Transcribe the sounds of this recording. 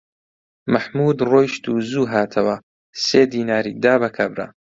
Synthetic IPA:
mɐħmuːd̪roːjʃt̪uːzuːɦaːt̪ʰɐwɐ | seːd̪iːnaːɾid̪aːbɐkʰɐbɾɐ̰

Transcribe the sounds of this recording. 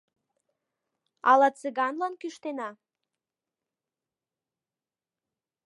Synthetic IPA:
ɑlɑt͡seɣɑnlɑnkyʃt̪enɑ

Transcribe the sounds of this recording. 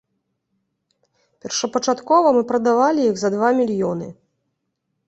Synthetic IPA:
pʲɛrʂɐpɐt͡ʂat̪kɔvɐmɨpɾɐd̪avalʲijiɣzɐd̪vamʲilʲjɔnɨ̰

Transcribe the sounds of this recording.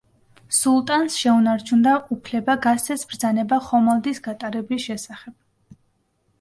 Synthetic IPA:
sulˠt̪ʼansʃɛunaɾt͡ʃʰund̪aʔupʰlɛbaɡassɛsbɾd̪zanɛbaχɔmalˠd̪isɡat̪ʼaɾɛbisʃɛsaχɛb̥̚

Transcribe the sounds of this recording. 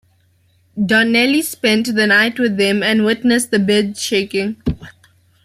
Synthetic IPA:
ɖɔnɛlispɛ̃nʈðənaɪʈwɪðːɛ̃mæ̃nwɪʈnəs̚d̪əbɪdʃeɪːkɪ̃ŋ

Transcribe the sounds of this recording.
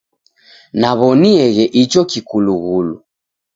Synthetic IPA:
naβɔniɛɣɛʔit͡ʃɔkikuluɣulu

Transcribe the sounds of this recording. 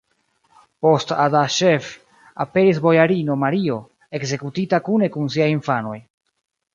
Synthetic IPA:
po̞stadaʃe̞f | a̰pe̞ɾis̬bo̞jaɾino̞maɾio̞ | e̞kze̞kutitakune̞kuns̬iajinfano̞̰j

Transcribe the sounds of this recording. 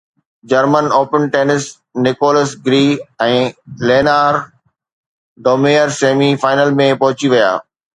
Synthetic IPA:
d͡ʑɐɾmənoːpənʈeːnɪs | nɪkoːləsɡɾiːɛ̃ːleːnaːɾ | ɖoːmejəɾseːmifaːɪnəlmẽpɐɦʊt͡ɕiʋɐja̰ː

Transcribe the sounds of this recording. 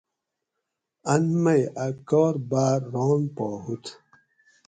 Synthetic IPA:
anmajakɔːɾbaːɾːɔːnpɔhut̪

